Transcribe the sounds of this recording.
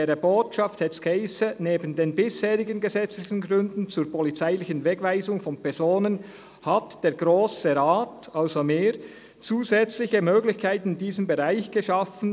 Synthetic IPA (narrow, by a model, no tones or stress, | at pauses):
ʁəboːtʃafthɛtskʰeɪsəneːbən̩deːnbɪsheːʁɪɡənɡəzɛt͡slɪçənɡʁʏndn̩t͡suːɾpɔlit͡saɪlɪçənvɛɡvaɪzʊŋfɔnpɛʁz̥oːnən | hatd̥eːɡ̥ʁoːsəʁaːtalzomeːʁ | t͡suːzɛt͡slɪçəmøːɡlɪçkʰaɪtnɪndiːzəmbeʁaɪçɡ̥əʃɑfn̩